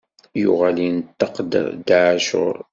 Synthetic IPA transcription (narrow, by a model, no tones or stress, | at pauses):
jʊ̰ʁalinət̪ːəqd̪̰ɾd̪aʕaʃʊ̰ɾˤ